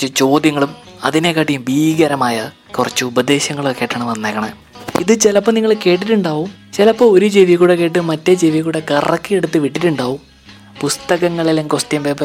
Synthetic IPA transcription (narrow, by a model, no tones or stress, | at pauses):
ɨt͡ɕo̞ːd̪jɐŋːɐɭum | ɐðinekːaːʈːijumbʱiːɡɐɾɐmaːjɐ | kurɐt͡ɕːɨubɐd̪e̞ːɕɐŋːɐɭokːeːʈːɐɳɐmɐnːekːɐɳɐ | ḭðɨt͡ɕelɐpːɐniŋːɐɭke̞ːʈ̬ːiʈːuɳɖaːʋum | t͡ɕelɐpːooɾud͡ʑeʋiɣuːɽekːe̞ːʈːɨmɐtːed͡ʑeʋiɣuːɽekɐrɐkːɨeɽut̪ːɨʋiʈːiʈːuɳɖaːʋum | pust̪ɐɣɐŋːɐɭileŋkost̪jɐmʋeːpɐ